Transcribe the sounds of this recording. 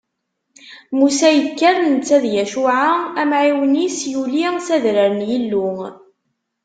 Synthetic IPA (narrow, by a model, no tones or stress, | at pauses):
musæjəkːæɾnət͡sːæðjæʃuʕaæmʕiwənisjulisæðɾəɾənjilːu